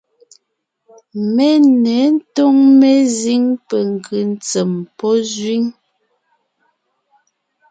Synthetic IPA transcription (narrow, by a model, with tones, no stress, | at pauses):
me˦nɛ˨˦n̩˦to˦ŋme˦zi˦ŋpɛ˨ŋ˨kʰɯ˨n˦t͡se˨mpɔ˦zɥi˦ŋ